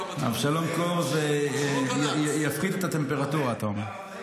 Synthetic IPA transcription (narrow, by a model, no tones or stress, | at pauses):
a̰vʃalomkoze | jafχid̪et̪at̪e̞mpe̞ʁat̪uʁaːt̪om